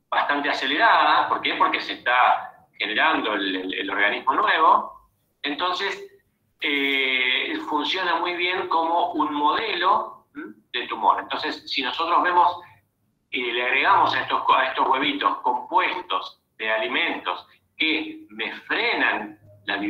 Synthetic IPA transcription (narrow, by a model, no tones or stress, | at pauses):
bast̪ant̪easeleɾaðapo̞ɾkepo̞ɾkesest̪a | xeneɾand̪o̞elḛlo̞ɾɣanizmo̞nweβ̞o̞ | ent̪o̞nses | e | funsjo̞namujβ̞je̞ŋko̞mo̞ʔunmo̞ð̞elo̞ | ðet̪umo̞̰ɾent̪o̞nsesːino̞sot̪ɾoɦβe̞mo̞s | eleaɣɾe̞ɣamo̞saest̪oaest̪ozɣwe̞β̞it̪o̞sko̞mpwest̪o̞z | ðealimẽ̞nt̪o̞s | kemefɾenanlaβi